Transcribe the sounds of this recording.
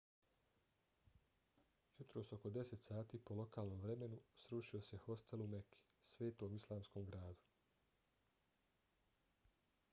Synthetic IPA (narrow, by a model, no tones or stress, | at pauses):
jut̪ɾoːso̞ko̞d̪e̞set̪saːt̪iːpo̞lo̞kaːlˠnoːmʋɾe̞me̞nusɾuːʃio̞sexo̞st̪elumekʰi̥sʋeːt̪oːmislˠaːmskomɡɾaːd̪u̥